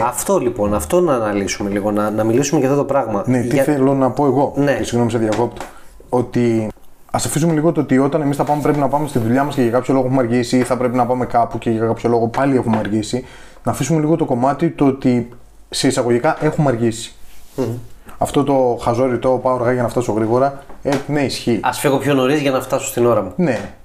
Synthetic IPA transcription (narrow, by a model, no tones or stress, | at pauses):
ɐft̪o̞lipo̞nɐft̪o̞nɐːnɐlisume̞liɣo̞nɐnɐmilisumecɐft̪ot̪opɾɐɣmɐnet̪iθelo̞nɐpo̞e̞ɣo̞neesiɣno̞miseðjɐko̞pt̪ɐ̥ | o̞t̪i | ɐsɐfisume̞liɣo̞t̪oot̪io̞t̪ɐne̞misθɐpɐme̞pɾep̬inɐpɐme̞st̪iðuʎɐmɐsceʝɐkɐpçoloɣe̞xumɐɾʝisiθɐpɾe̞pinɐpɐme̞kɐpuceʝɐkɐpço̞lo̞ɣo̞pɐlie̞xumeɐɾʝisi | nɐfisume̞liɣo̞t̪o̞ko̞mɐt̪it̪oot̪i | se̞isɐɣo̞ʝikɐʔe̞xumɐɾʝisi̥ | ɐft̪ot̪o̞xɐzo̞ɾit̪opɐoɾɣɐʝɐnɐft̪ɐso̞ɣɾiɣo̞ɾɐeneisçiɐsfiɣo̞pço̞no̞ɾizʝɐnɐft̪ɐsost̪ino̞ɾɐmune̞